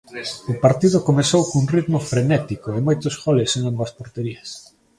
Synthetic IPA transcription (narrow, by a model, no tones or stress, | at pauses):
ʊpaɾt̪iðʊkomeθowkouŋrit̪mʊfɾenɛt̪ikoemojt̪ʊsɣɔleseŋombɐspoɾt̪eɾiɐs